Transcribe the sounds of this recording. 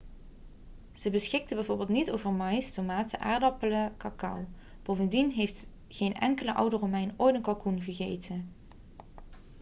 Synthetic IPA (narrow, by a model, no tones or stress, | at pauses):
z̥əbəsχɪk̚təbɛjvʊːɹbɪːlˠtnitowvəɹmɑjstomaːtəʔa̰ːɹdɑpələkɑkɑ̰w | b̥owvəndinɦejft | χejnɛ̰ŋkələʔʌ̰wdəromɛjnʔoːjtənkɑlˠkunχəɣejtʰən